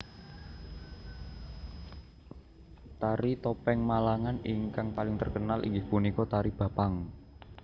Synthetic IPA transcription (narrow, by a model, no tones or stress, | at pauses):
t̪aɾit̪ɔpɛŋmalaŋaniŋkaŋpalɪŋt̪ərkənalʔḭŋɡɪhpunikɔt̪aɾib̥a̤paŋ